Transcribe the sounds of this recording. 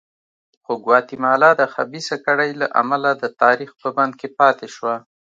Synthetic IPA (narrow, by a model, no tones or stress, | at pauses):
xoɡwɑt̪imɑlɑd̪əxabisakaɽajlaʔa̰malad̪ət̪ɑɾixpəband̪̚kepɑt̪eʃwa